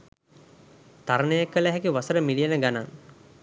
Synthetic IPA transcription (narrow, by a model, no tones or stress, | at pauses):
t̪aɾənəjekːələɦɛkiʋasəɾəmilijenəɡanaŋ